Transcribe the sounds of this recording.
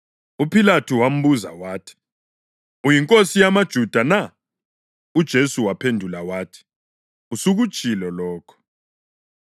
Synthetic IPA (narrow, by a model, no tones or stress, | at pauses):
upʰilatʰuwam̩βuza̰waːtʰi̥ | ujiŋkʼosijamad̥ʒ̥ʱud̥ʱana | ud̥ʒ̥ʱesuwapʰendʱulawaːtʰi̥ | usuɣud̥ʒ̥ʼʱilɔlɔːkʰɔ̥